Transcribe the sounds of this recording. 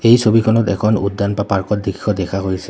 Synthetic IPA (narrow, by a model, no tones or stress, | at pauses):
ejsobikʰɔnɔtɛ̰kʰɔnudːanpapaɹkɔt̚dikʰːɔdɛkʰaɦojsɛ